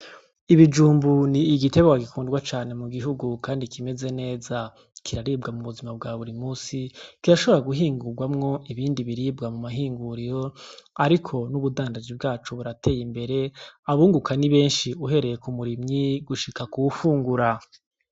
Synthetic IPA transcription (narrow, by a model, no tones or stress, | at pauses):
iβid͡ʒuːmbuniːɡite̞βeɡwaɡikʰuːndɡwat͡ʃaːne̞muɡiɦuɡukaːndikʰime̞ze̞ne̞ːza | kʰiɾaɾiːb̚ɡamuβuzimab̚ɡaːβuɾimuːsikiɾaʃoβeɾaɡuɦiːŋɡuɡwamŋo̞ʔiβiːndiβiɾiːbɡamumaɦiːŋɡuɾiɾo̞aɾikʰo̞nuβudaːndad͡ʒibɡaːt͡ʃuβuɾatʰe̞ːjimbe̞ɾe̞aβuːŋɡukʰaniβe̞ːnʃiuɦe̞ɾe̞je̞kumuɾimɲiɡuʃikakuwufuːŋɡuɾa